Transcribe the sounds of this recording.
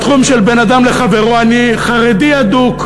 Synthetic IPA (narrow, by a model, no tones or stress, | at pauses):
t̪χumʃelbe̞nad̪amle̞χave̞ʁoaniχaʁediad̪uk